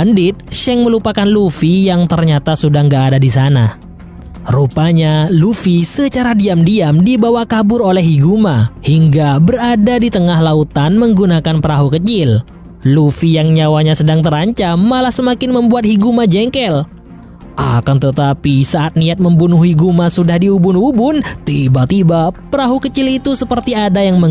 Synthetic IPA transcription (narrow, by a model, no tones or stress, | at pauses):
andɪt̪̚ʃɛŋməlupakanlufijaŋt̪ərɲat̪asudahŋɡaːdadisana | rupaɲalufisət͡ʃaɾadiamdiamdibawakabʊɾolɛɦiɡumahiŋɡabəɾadadit̪əŋaɦlaut̪anməŋɡunakanpəɾaɦukət͡ʃɪl | lufijaŋɲawaɲasədaŋt̪əɾaɲt͡ʃamːalahsəmakɪnməmbuat̪̚hiɡumad͡ʒɛŋkɛl | ʔa̰kant̪ət̪apisaʔat̪̚niat̪̚məmbunuɦiɡumasudahdiubʊnubʊnt̪ibat̪ibapəɾaɦukət͡ʃɪlit̪usəpərt̪iadajaŋmə